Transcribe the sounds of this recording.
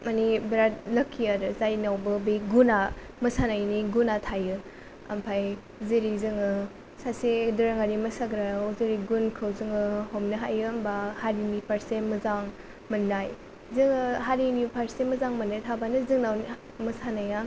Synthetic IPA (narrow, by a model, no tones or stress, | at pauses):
manibɾat̚lɐkʰːiaɾɯzajnawbɯbeɡuna | mɐsanajniɡunatʰajɯ | ɐ̰mpʰaj | ziɾizɯŋɯ | sasedɯɾaŋaɾimɐsaɡɾaziɾiɡunkʰɯwzɯŋɯhomnɯɦajɯmbahaɾimipʰaɾsemɯzaŋ | mɐnːaj | zɯŋɯɦaɾinipʰaɾsemɐzaŋmɐnːajtʰabanɯzɯŋnawn | mɐsanaja